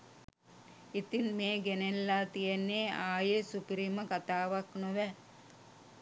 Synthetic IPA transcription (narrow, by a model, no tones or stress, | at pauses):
it̪inmeːɡenelːaːt̪ijenːeːaːjesupiɾiməkat̪aːʋaknoʋɛ